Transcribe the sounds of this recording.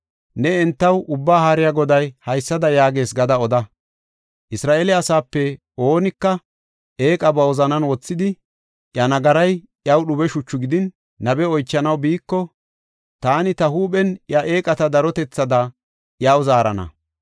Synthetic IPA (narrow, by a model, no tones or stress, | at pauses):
nɛɛnt̪ːɐwʔʊbːaːhaɾɪjaɡɔd̪ɐjhɐjsːɐd̪ɐjaːɡe̞ːsɡɐd̪ɐɔd̪ɐ | ʔɪsɾaːʔelɪɐsaːpːɛ | o̞ːnɪkːɐ | ʔeːkʼɐbɐɔzɐnɐnwɔt͡sːɪd̪ɪ | ʔjɐnɐɡɐɾɐj | ʔjɐwɗʊbɛʃʊt͡ʃːʊɡɪd̪ɪnː | ɐbɛɔjt͡ʃːɐnɐwbiːkːɔ | t̪aːnɪt̪ɐhuːɓɛnjɐʔe̞ːkʼɐt̪ɐd̪ɐɾɔt̪ɛt͡sːɐd̪ɐ | jawzaːɾɐ̰nɐ̰